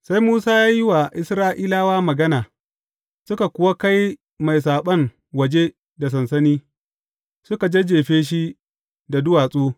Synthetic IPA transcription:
sa˦jmuː˦saː˦jaː˦jɪ˦wa˨ʔɪ˦sɾaː˦ʔiː˦laː˦waː˦mɐ˨ɡɐ˦naː˨ | sʊ˦ka˨kʷʊ˦wa˦ka˦j | ma˨js̬aː˨ɓɐ˦ŋ | wɐ˨d͡ʒe˦ | da˨s̬ɐ˨nsɐ˦niː˦ | sʊ˦ka˨d͡ʒe˦d͡ʒeː˨ɸeː˦ʃ̬i˦ | da˨dʊ˦waː˨sʼoː˦

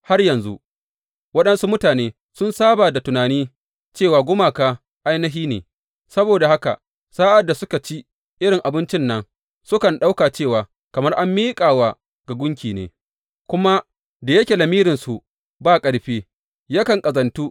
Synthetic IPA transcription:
ha˦rjɐ˨nzu˦ | wɐ˦ɗɐ˦nsu˦mʊ˦taː˨neː˦ | sʊ˦nsaː˦baː˨da˨tʊ˨naː˨niː˦ | t͡ʃeː˦˨waː˨ɡʷʊ˦maː˨kaː˦ | ʔa˦jnɐ˦ɦiː˦nḛː˨ | sɐ˦boː˨da˨ha˦ka̰˨ | saː˦ʔa˨da˨sʊ˦ka˨t͡ʃi˦ | ʔɪ˦ɽɪ˨ŋʔa˨bɪ˦nt͡ʃɪ˦nːɐ˦ŋ | sʊ˦kɐ˨nɗa˦wkaː˨t͡ʃeː˦˨waː˨ | kɐ˨mɐ˦rʔa˦mːiː˦kʼaː˨wa˨ | ɡa˨ɡʷʊ˦ŋkʲiː˨nḛː˨ | kʷʊ˦ma˦ | da˨jɐ˦kʲe˨lɐ˨miː˦ɾɪ˨nsu˨ʔ | baː˦kʼɐ˨ɽɸeː˦ | ja˦kɐ˨ŋkʼɐ˨zɐ˨ntu˦

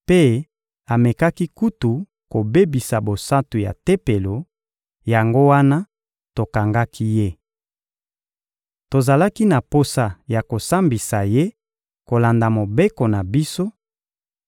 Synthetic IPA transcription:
pe˦ | a˨me˨ka˦ki˦ku˦tu˨ | ko˨be˦bi˨sa˨bo˨sa˦tu˨ja̰˨te˦pe˨lo˨ | ja˨ŋɡo˦wa˦na˦ | to˨ka˨ŋɡa˦ki˦je˦ | to˨za˨la˦ki˦na˨po˦sa˨ja˨ko˨sa˦mbi˨sa˨je˦ | ko˨la˨nda˨mo˨be˦ko˨na˨bi˦so˦

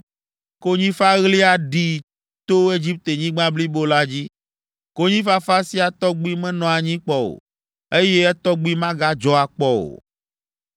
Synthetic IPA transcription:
ko˦ɲĩ˦fa˦ɣli˦a˨ɖi˦ | t̪o˦e˦d͡ʑi˦p̚t̪e˨ɲĩ˦ɡ͡bã˦bli˦bo˦la˦d͡ʑi˦ | ko˦ɲĩ˦fa˦fa˦si˦a˨t̪ɔ˦ɡ͡bu˦i˦mɛ̃˦nɔ̃˨a˨ɲĩ˦k͡pɔ˦o̰˨ | e˦je˦ɛ˦t̪ɔ˦ɡ͡bi˦mã˦ɡa˦d͡ʒɔ˦a˨k͡pɔ˦o̰˨

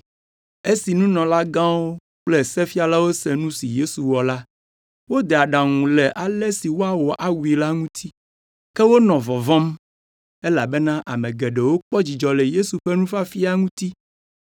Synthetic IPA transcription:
e˦si˨nũ˦nɔ̃˨la˦ɡã˦wo˦ | k͡plɛ˦sɛ˦fi˦a˨la˦wo˦sɛ˨nũ˦si˨je˦su˨wɔ˨la˦ | wo˦d̪ɛ˨a˨ɖã˨ŋũ˨lɛ˨ʔa˨lɛ˦si˨wo˦a˨wo˨ʔa˦wu˨i˨la˦ŋũ˦t̪ʰi˦ | kɛ˦wo˦nɔ̃˨vɔ˨vɔ̃˦m | e˦la˨bɛ˦nã˦ʔa̰˨mɛ̃˨ɡɛ˨ɖɛ˨wo˦k͡pɔ˦d͡ʑi˨d͡ʒɔ˨lɛ˨je˦su˨ɸɛ˦nũ˦fa˦fi˦a˦ŋũ˦t̪i˦

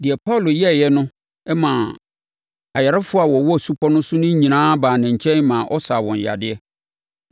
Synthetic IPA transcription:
dɪ˨ɛ˨pʰa˦˨lʊ˨jɛ˦˨jɛ˦nʊ̃˦ | ɛ˦mã˨ | a˨jɛ˨ɾa˦fʊ˦a˨wɔ˨wɔ˦˨su˦pʰɔ˦nʊ̃˦sʊ˦nʊ̃˦ɲĩ˨nãː˦baː˨nɪ̃˨ɲ̩˨t͡ɕʰɛ̃˦nmã˨ʔɔ˦sa˨wɔ̃˨ɲ˨ja̰˨dɪ˦ɛ˦

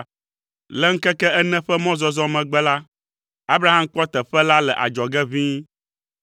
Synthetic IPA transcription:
lɛ˦ŋ̩˦kɛ˦kɛ˦ɛ˦nɛ̃˦ɸɛ˦mɔ̃˦zɔ˦zɔ̃˦mɛ̃˨ɡ͡bɛ˦la˦ | a˦bɾa˦ɦã˦mk͡pɔ˦t̪ɛ˨ɸɛ˦la˦lɛ˨ʔa̰˨d͡ʒɔ˨ɡɛ˦vĩ˦

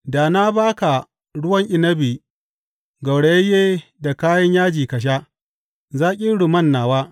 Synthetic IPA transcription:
da˨na˦baː˦ka˨ | ɽʊ˦wɐ˦ŋʔɪ˦˨nɐ˦biː˨ | ɡɐ˨wɽe˨jɐ˦jeː˦da˨kaː˦jɐ˦ɲjaː˦d͡ʒiː˨kɐ˨ʃ̬a˦ | zaː˦kʲʼɪ˦ɽʊ˨mɐ˦˨nːaː˨waː˦

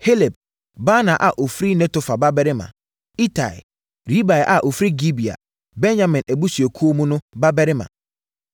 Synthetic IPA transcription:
he˦le˨b̚ | baː˦nã˨ʔa˨ʔo˨fɾi˦nɛ̃˦to˨fa˨ba˦bɛ˦ɾɪ˦mã̰˨ | i˦tʰa̰˨ɛ̰˨ | ɾi˦ba˨ɛ˨ʔa˨ʔo˨fɾi˦ɡi˦bi˨a̰˨ | bɛ̃˦nɲã˨mɪ̃˨næ˨bu˦sɥe˨kʰu˦o˦mũ˦nʊ̃˦ba˦bɛ˦ɾɪ˦mã̰˨

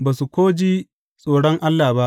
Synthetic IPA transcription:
baː˨su˨kʷoː˦d͡ʒiː˦ | sʼoː˨ɽɔ˦ŋʔa˦lːaː˨ba˦ʔ

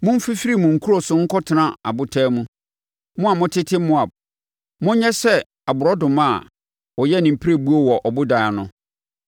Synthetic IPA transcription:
mʊ̃˦m̩˦fi˦fi˦ɾi˦mʊ̃˨ŋ̩˨kʰu˦ɾɔ˨sʊ˦ŋ̩˦kʰɔ˦tʰɪ˨nã˦a̰˨bʊ˦tʰɛː˦mũ˦ | mʊ̃˦a˨mʊ̃˦tʰɪ˦tʰɪ˦mːʊ̃˦a˨b̚ | mʊ̃˦ɲ˦ɲɛ˦sɛ˦ | a˨bʊ˨ɾɔ˦dʊ̃˨ma˦˨ | wɔ˨jɛ˦˨nɪ̃˨m̩˨pʰi˦ɾe˦bu˦o˦˨wɔ˨ʔɔ˨bʊ˦da˨a˨nʊ̃˨

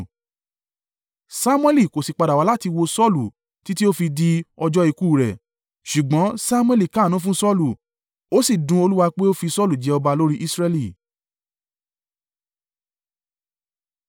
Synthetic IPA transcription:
sa˦mũ˦ɛ˦li˦˨ko˨si˨k͡pa˧da˨wa˨˦la˦ti˧wo˧sɔ˦lu˨ | ti˦ti˦o˦fi˧di˦ɔ˧d͡ʒɔ˦i˧kuː˦˨ɾɛ˨ | ʃu˨ɡ͡bɔ̃˨˦sa˦mũ˦ɛ˧˦li˦˨ka˨˦˨nũ˨˦fũ˦sɔ˦lu˨ | o˦si˦˨dũ˧o˧lu˦wa˧k͡pe˦o˦fi˧sɔ˦˨lu˨d͡ʒɛ˧˦ɔ˧ba˧lo˦ɾi˦ʔi˦sɾɛ˧li˨

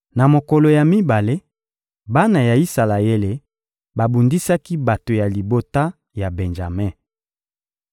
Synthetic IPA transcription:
na˨mo˨ko˨lo˨ja˨mi˦ba˨le˦ | ba˦na˨ja˨i˦sa˨la˨e˦le˨ | ba˨bu˨ndi˦sa˦ki˦ba˨to˨ja˨li˨bo˦ta˦ | ja˨be˨nʒa̰˨mɛ˦˨

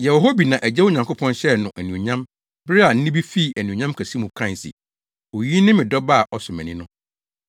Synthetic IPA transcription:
jɛ˨wɔ˨ɦo˦bi˨nã˨ʔæ˨d͡ʑɛ˦wʊ˦ɲã˨ŋkʰo˦pʰɔ̃˦nɕɛ˦nʊ̃˨ʔæ˨nũ˨ɲã˦m | bɾɪ˦a˨n̩˦nɪ̃˦bi˦fi˦˨æ˨nũ˨ɲã˦mkʰæ˨si˦mũ˨kʰɾã˦˨sḭ˨ | o˨ji˦nɪ̃˦mɪ̃˨dɔ˦ba˦˨ʔɔ˨sʊ˨mɛ̰̃˨nḭ̃˦nʊ̃˦

